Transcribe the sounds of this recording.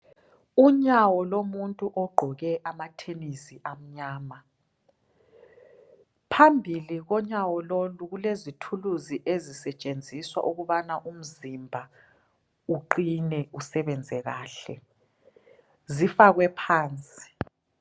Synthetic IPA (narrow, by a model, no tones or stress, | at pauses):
uɲawɔlomuntʼuʔɔɡ͡ǃʱɔɣɛʔamatʰenisiʔam̩ɲaːma | pʰambʱiliɣɔɲawɔloluɣulezitʰuluziʔezisɛt͡ʃʼend͡zʱiswa̰ʔuɣuβanaʔum̩zimbʱa | uǃinɛusɛβɛnd͡zʱɛɣaːɬɛ̰ | zifaɣwɛpʰaːnt͡sʼi̥